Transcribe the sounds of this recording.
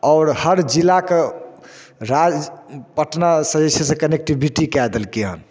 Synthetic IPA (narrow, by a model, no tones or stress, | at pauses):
ɔːɾhəɾd͡ʒilːake | ɾad͡ʒpəʈnasəd̪esəsẽkənek̚ʈibʱiʈikɛd̪əlkeɦə̰n